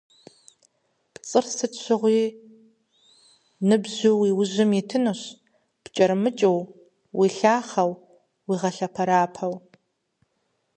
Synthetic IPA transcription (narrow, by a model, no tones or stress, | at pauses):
pt͡sʼɨrsɨtɕʷʰɪʁʷiː | nɨbʑuwiwʊʑɪmitʰɨnɨɕ | pt͡ʃʼɐɾmɨt͡ʃʼɐw | wiɬaːχɐw | wiːʁɐɬɐpʰɐɾaːpʰɐw